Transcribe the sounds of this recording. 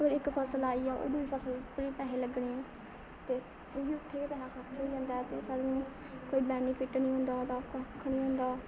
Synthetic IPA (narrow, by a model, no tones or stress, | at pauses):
əɡəɾɪkpʰəsəlaːiːɛːʔo̰ːd̪ːiːpʰəsəlpəɾiːpɛːɦẽːləɡɽeːɛ̃ː | t̪eː | oiːʊt̪ʰːeːkeːpɛːɦãːkʰəɾt͡ʃoːiːd͡ʒãːnd̪aːɛːt̪eːsaːɾnũː | koːiːbɛːniːpʰɪʈnĩːɦʊ̃ːnd̪aːt̪ãːkəkʰːnĩːɦõːnd̪aː